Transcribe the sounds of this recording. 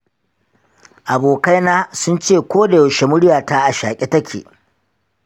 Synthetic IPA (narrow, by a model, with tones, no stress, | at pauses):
ʔa˨boː˨ka˦jnaː˦sʊ˦nt͡ʃeː˦˨kʷoː˦da˨jɐ˨ʃe˦mʊ˦ɽɪ˦jaː˨ta˦ʔa˨ʃaː˨kʲʼe˦tɐ˦kʲḛ˨ʔ